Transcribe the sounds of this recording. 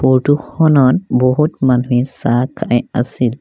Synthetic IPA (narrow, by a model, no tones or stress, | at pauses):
pɔɹtuxʰɔnɔtbɔɦutmanuisakʰajasil